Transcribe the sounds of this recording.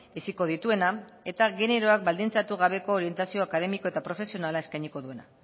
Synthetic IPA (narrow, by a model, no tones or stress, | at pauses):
esiko̞ðit̪ue̞na | e̞t̪aɣe̞ne̞ɾo̞ak̚bald̪int͡sat̪uɣ̞aβe̞ko̞ːɾie̞nt̪asio̞akaðe̞miko̞e̞t̪apɾo̞fe̞sio̞nalae̞skajɲiko̞ðue̞na̰